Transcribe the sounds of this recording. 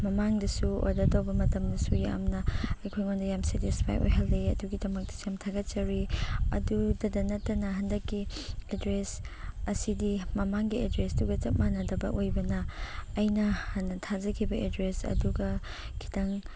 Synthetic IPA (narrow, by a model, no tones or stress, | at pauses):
mɐmaŋdɐsuo̰jdɐtɐwbɐmɐtɐmdɐsuja̰mnɐɐjkʰojŋondɐjamsetispʰa̰jo̰jɦaldejɐ̰duɡidɐmɐk̚tɐ̥samtʰaɡɐt̚t͡ʃɐɾiɐ̰dudɐdɐnɐtːɐnɐɦɐndɐkːiedɾesɐsidimɐmaŋɡiedɾesduɡɐt͡ʃɐt̚manɐdɐbɐ̰ʔojbɐnɐːjnɐhɐnːɐtʰazɐkʰibɐʔedɾesɐ̰duɡɐ | kʰi̥tʰɐŋ